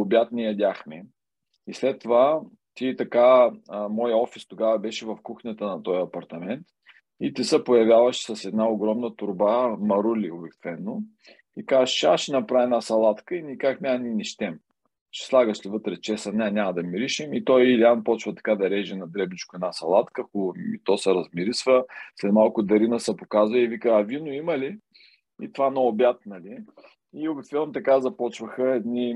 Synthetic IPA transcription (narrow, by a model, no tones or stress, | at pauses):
ʊbʲjat̪nɛjɐd̪ʲaxmɛ | islɛt̪ːova | t̪it̪ɐkamɔjəɔfist̪oɡavɐbɛʃɛvɐfkuxnʲət̪ənɐt̪ɔjɐpɐɾt̪ɐmɛnt̪ | it̪isəpojɐvʲjavɐʃsɐsɛd̪naoɡɾɔmnət̪ʊɾbamɐɾulʲiobɛkt̪vɛnːo | ikazʃaʃɛnɐpɾaɛnasɐlˠat̪kəinikakmʲanʲinʲiʃt̪ɛm | t͡ʃɛ̥slˠaɡəʃlivɤt̪ɾɛt͡ʃɛsənʲanʲamɐd̪ɐmiɾiʃimit̪ɔjilʲianpɔt͡ʃvət̪ɐ̥kad̪ɐɾɛʒɛnɐd̪ɾɛbnit͡ʃkʊɛd̪asɐlˠat̪kəkuḭt̪ɔsɛɾɐzmiɾisvəslɛt̪malˠkʊd̪ɐɾinəsɛpokazvəivikəːvinʊimɐli | ḭt̪vanoːbjat̪nɐli | iobikt̪vɛnnːot̪ɐkazɐpɔt͡ʃvəxəɛd̪ni